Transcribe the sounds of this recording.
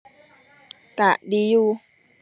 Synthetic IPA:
t̪a˨ʔɗi˧ju˦

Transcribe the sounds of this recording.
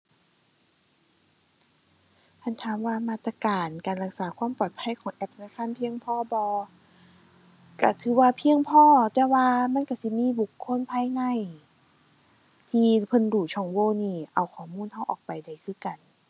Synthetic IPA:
t̪ʰa˧˥˨nt̪ʰaː˨˦mwaː˧maː˧˥˩t̪ːa˧kaː˨nkaː˨nla˧˩k̚saː˨˦kʰwaː˧˥˨mpɔː˨˩t̪̚pʰa˧˥˨jkʰɔː˨˩˦ŋʔɛ˧˥p̚na˧˩˨kʰa˧˥˨npʰi˧əŋpʰɔː˧˥˩bɔː˧ | ka˧˩t̪ʰɯː˨˦waː˧pʰi˧əŋpʰɔː˧˥˩t̪ɛː˧waː˧ma˧˥˨nka˧˩si˧˦miː˧˥˨bu˨˩kʰːo˧˥˨npʰaː˧˥˨jŋa˧˥˩j | t̪ʰiː˧pʰɤ˧˥˨nduː˨˩t͡ɕʰɔː˧˩ŋwoː˧˩˨niː˧˩ʔa˨˩wkʰɔː˨˩˦muː˧˥˨nha˧˥˩wʔɔː˨˩k̚pa˨˩jda˨˩jkʰɯː˧˥˨ka˨˩n

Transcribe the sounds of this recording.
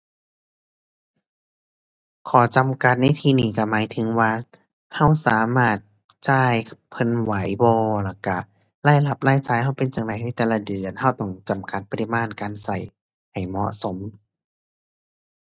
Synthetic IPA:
kʰɔː˨˩˦t͡ɕa˧mka˧t̪̚na˧˩jt̪ʰiː˧niː˧˩ka˧˩maː˨˦jt̪ʰɯ˨˦ŋwaː˧ | ha˧˥˩wsaː˨˦maː˧˥˩t̪̚ | t͡ɕaː˧˩jpʰɤ˧˥˨nwa˨˦jbɔː˧la˧˩ka˧˩ | laː˧˩jla˧˩p̚laː˧˥˨jt͡ɕaː˧˩jha˧˩wpe˧njaː˨ŋda˧˨jna˧˩jt̪ɛː˨˧la˧dɯ˨˩ənha˧˩wt̪ɔ˧˩ŋt͡ɕa˨˩mka˧˦t̪̚pa˧ɾi˧maː˧˥˨nkaː˧nsa˨˩j | ha˨˩jmɔ̰˧ʔso˨˦m

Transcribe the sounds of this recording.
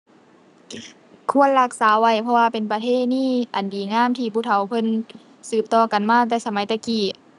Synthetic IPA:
kʰu˧˥˨ənla˧k̚saː˨˦wa˧˩jpʰɔ˧waː˧pe˨npa˧t̪ʰeː˧˥˩t̪̚niː˧˥˨ʔa˨˩ndiː˨˩ŋaː˧˥˨mt̪ʰiː˧pʰuː˧˩t̪ʰa˨˦wpʰɤ˧˨n | sɯː˧˩p̚t̪ɔː˧˩ka˨nmaː˧˥˨t̪ɛː˧˩sa˧ma˨˦jt̪ɛː˧˩kiː˨˩

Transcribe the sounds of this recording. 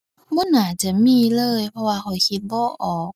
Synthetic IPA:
mɔ˧˥˨naː˨˩t͡ɕa˨˦miː˧˨lɤː˧jpʰɔ˧waː˧xʰɔ˨˩kʰi˧t̪̚bɔː˧˦ʔɔː˨˩k̚

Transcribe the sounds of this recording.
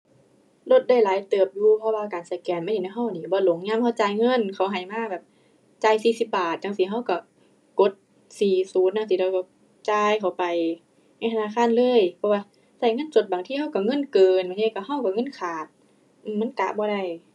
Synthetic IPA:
lo˧t̪̚da˧˩˨jlaː˨˦jt̪ɤː˨˩p̚juː˧pʰɔ˧waː˧kaː˨˩nsa˨˩jkɛː˨˩nmaː˧˥˨hi˨na˧˩ɦa˧˩˨wniː˧˩bɔː˧˦lo˨˦ŋɲaː˧˥˨mha˧˩wt͡ɕaː˧˩jŋɤ˧˥˨nkʰa˨˩wɦa˨˩jmaː˧˥˨bɛː˨˩p̚ | t͡ɕaː˧˩jsiː˧˩si˧˦p̚baː˨˩t̪̚t͡ɕa˧˨ŋsiː˧˦ɦa˧˥˨wka˧˩ | ko˧˦t̪̚ | siː˨˩suː˨˦nːa˧ŋsiː˧lɔː˧˩ka˧˩ | t͡ɕaː˧jkʰa˨˩wpa˨j | na˧˩˨t̪ʰa˧aː˧˥˨kʰaː˧˥˨nlɤː˧˥˨jpʰɔ˧˥waː˧ | sa˧˩jŋɤ˧˥˨nt͡ɕo˧t̪̚baː˨ŋt̪ʰiː˧˩ha˧˥˩wka˧˩ŋɤ˧˥˨nkɤː˨nbaː˨t̪ʰiː˧˩ka˧˩ha˧˥˨wka˧˩ŋɤ˧˥˨nkʰaː˨˩t̪̚ | ʔ̩ː˧˩mːa˧˥˨ka̰˧ʔbɔː˧˦ɾa˧˩j

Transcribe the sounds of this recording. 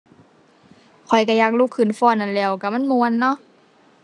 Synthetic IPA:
kʰɔ˨˩jka˧˩jaː˧˩k̚luː˧˥˨kʰːɯ˧˩˨nfɔː˧˨nːa˧˨nlɛː˧˩wka˧˩ma˧˥˨nmu˧˨ə˦˨nːɔ˧˥˨ʔ

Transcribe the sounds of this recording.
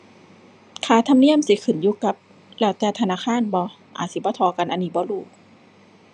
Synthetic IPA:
kʰaː˧˩t̪ʰa˧˨mni˧˩əmsi˧˦kʰɯ˨˩njuː˧˦ka˧˦p̚ | lɛː˧˩wt̪ɛː˧˩t̪ʰa˧naː˧˨xʰaː˧˥˨nbɔː˧ | ʔa̰ː˨˩t̚si˧˦bɔː˧˦t̪ʰɔː˧˦ka˧˨nʔa˧niː˧˩bɔː˧˦luː˧˩k̚

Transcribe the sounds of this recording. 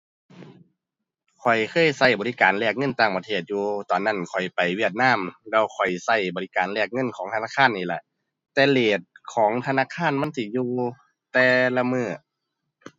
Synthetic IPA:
kʰɔ˨˩jkʰɤː˧˥˨jsa˧˥˩jbɔː˨li˧˥˨kaː˨nlɛː˧˩k̚ŋɤ˧˥˨nt̪aː˧˩ŋpa˧t̪ʰeː˧˩t̪̚juː˧t̪ɔː˨˩nːa˧˥˩nkʰɔ˨˩jpa˨˩jwi˧˥˩ət̪̚naː˧˥˨mlɛː˧˩wkʰɔ˨˩jsa˧˩jbɔː˨li˧kaː˨nlɛ˧˩k̚ŋɤ˧˥˨nkʰɔː˨˦ŋtʰa˧naː˧˥˩kʰaː˧˥˨nːiː˧˩la̰˧˩ʔ | t̪ɛː˧leː˨˩t̪̚kʰɔː˨˦ŋt̪ʰa˧naː˧˥˨kʰaː˧˥˨nma˧˥˨nsiː˧˩juː˧ | t̪ɛː˧la˧mɯː˧˩

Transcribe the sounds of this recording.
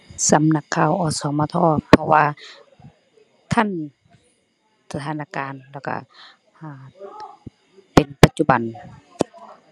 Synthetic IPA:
sa˨˦mna˧kʰːaː˧˩wʔɔː˧˩sɔː˨˦maː˧t̪ʰɔː˧˩pʰːɔ˧waː˧ | t̪ʰa˧˥˨n | sa˧t̪ʰaː˧˦naː˧˩kaː˨nlɛː˧˩wka̰˧˩ | aː˧˩ | pe˨npa˧t̪̚t͡ɕu˧ba˨n

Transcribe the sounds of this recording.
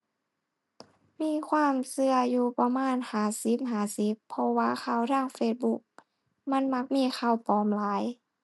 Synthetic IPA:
miː˧˥˨kʰwaː˧˥˨msɯ˧ɐjuː˧pa˧maː˧˥˨nhaː˨˩si˨˧˦p̚ɦaː˨˩si˧˦˥pʰːɔ˧waː˧˩xʰaː˧˩˨wɾaː˧˥˨ŋfeː˧t̪̚bu˧˦˥k̚ | ma˧˥˨nma˧˥k̚miː˧˥˨xa˧˩˨wpɔː˨˦mlaː˨˦j

